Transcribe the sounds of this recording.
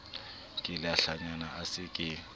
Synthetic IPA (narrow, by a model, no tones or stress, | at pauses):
kʼɪlaɬaɲanaasɪkʼɪ